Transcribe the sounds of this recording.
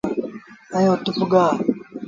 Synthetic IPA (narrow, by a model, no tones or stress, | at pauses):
ajotufuɡa